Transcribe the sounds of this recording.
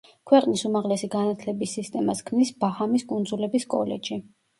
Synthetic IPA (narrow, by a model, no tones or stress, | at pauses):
kʰwɛqʼnisumaʁlɛsiɡanat̪ʰlɛbisːist̪ʼɛmaskʰmnisbahamiskʼund̪zulɛbiskʼɔ̰lɛ̰d͡ʒi